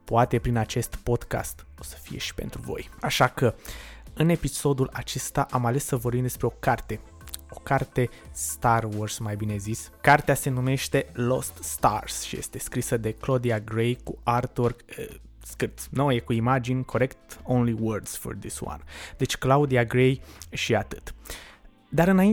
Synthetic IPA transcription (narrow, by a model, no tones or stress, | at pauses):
poat̪e̞pɾinat͡ʃe̞st̪po̞d̪ka̰st̪o̞sə̥fije̞̰ʃi̥pe̞̰nt̪ɾuvo̞̰jaʃakəɨne̞piso̞d̪ulat͡ʃe̞st̪aʔamale̞sːəvorbimd̪e̞spɾe̞o̞kart̪e̞ | o̞kart̪e̞ | st̪arworsmajbine̞ziskart̪ease̞nume̞ʃt̪e̞lo̞st̪ːt̪a̰rsʃije̞st̪e̞skɾisəd̪e̞klo̞d̪iaɡɾejkuart̪orɡ | skɨrt̪snojekuimad͡ʒinʲkʰo̞ɾe̞kt̪õwnliwərd̪sfo̰rd̪iswa̰nd̪e̞t͡ʃʲklaud̪iaɡɾejʃiat̪ɨt̪ | d̪aɾɨnai